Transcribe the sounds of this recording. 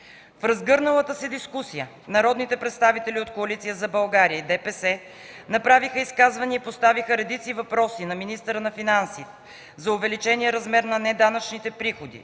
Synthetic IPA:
fɾɐzɡɤɾnəlˠət̪əsɛd̪iskusijə | nɐɾɔd̪nit̪ɛpɾɛt̪st̪avit̪ɛliot̪koɐlit̪sijəzɐbɐlˠɡaɾijəid̪ɛpɛsɛ | nɐpɾavixəiskazvɐniəipost̪avixəɾɛd̪it̪sivɐpɾɔsinɐminist̪əɾənɐfinansit̪ | zɐʊvɛlit͡ʃɛnijɛɾɐzmɛɾnɐnɛd̪anət͡ʃnit̪ɛpɾixod̪ḭ

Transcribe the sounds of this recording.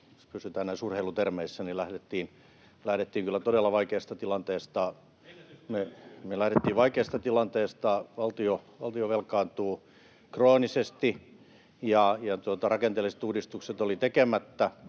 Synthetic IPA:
ospysyt̪æːnnæisurheilut̪ermeisːænilæhɾet̪ːiːn | læhɾet̪ːiːŋkylːæt̪odelːɑʋɑikeːst̪ɑt̪ilɑnt̪eːst̪ɑ | memelæhɾet̪ːiːʋʋɑikeːst̪ɑt̪ilɑnt̪eːst̪ɑʋɑlt̪ioʋɑlt̪ioʋelkˑɑːnt̪uː | kroːnisest̪i | jɑjɑt̪uot̪ɑrɑkent̪elise̥t̪uːdist̪ukset̪olit̪ekemæt̪ːæ

